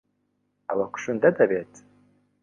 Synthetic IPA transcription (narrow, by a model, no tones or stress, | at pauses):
awakʷʰʃʊndadabetʰʼ